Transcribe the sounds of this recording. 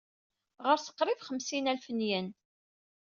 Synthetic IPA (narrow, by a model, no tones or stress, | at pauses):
ʁəɾsə̥qːɾɪvχəmsinælfənjən